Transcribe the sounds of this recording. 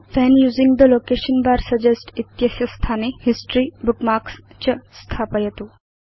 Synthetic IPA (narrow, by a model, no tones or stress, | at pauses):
fɛ̃njuːzĩŋɡd̪əlokeʃənbaɾsəd͡ʒesʈit̪jɐsjɐst̪ʰanehisʈɾibukmaɾks | t͡ʃəst̪ʰapəjet̪u